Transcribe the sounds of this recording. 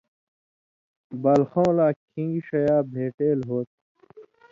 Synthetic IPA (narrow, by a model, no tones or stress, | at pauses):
bɐlxõːlaːkʰĩŋɡiɕɐjaːbʱeːʈeːlɦoːt̪̚